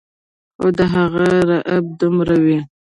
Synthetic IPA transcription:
o̰d̪əɦaɣaɾaʔab̚d̪ʊmɾawi

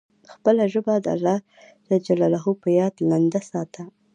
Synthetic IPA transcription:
xpəlaʒəbad̪a̰lːɑ | d̪̥əd͡ʒalalaɦupəjɑd̪nand̪asɑt̪ʰa

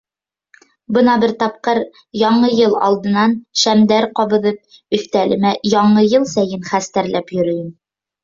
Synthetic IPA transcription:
bɤnɑbɘɾt̪ɑp̚qɤɾ | jɑɴɤjɤlˠɑ̰lˠd̪ɤ̆nɑnʃæmd̪æɾqɒβɤ̆ðɤp̚ | ɵ̆θt̪ælɘ̆mæjɒɴɤjɤlˠsæjɘnχæst̪æɾlæpjɵ̆ɾɵ̆jɘm

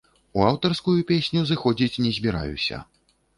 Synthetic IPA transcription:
uawt̪ɐrskujupʲesʲnʲuzɨxɔd͡zʲit͡sʲnʲɛzʲbʲiɾa̰jṵsʲɐ̰

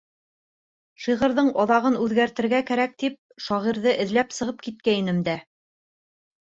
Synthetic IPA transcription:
ʃiʁɤ̆ɾðɤɴɑðɑʁɤnʉðɡæɾt̪ɘ̆ɾɡækæɾæk̚t̪ip̚ʃɑʁiɾðɤʔɘ̆ðlæpsɤ̆ʁɤp̚kit̪̚kæinɘmd̪æ

